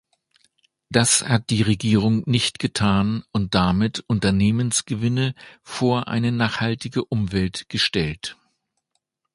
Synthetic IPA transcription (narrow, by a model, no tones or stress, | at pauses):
d̥ashat̚d̥iːʁeɡiːʁʊŋnɪçtɡ̥ətʰaːnʊnt̚d̥amɪtʔʊntɐneːmənsɡ̥əvɪnəfoːɐʔa̰ɪnənaːχhaltɪɡəʔʊmvɛltɡ̥əʃtɛlt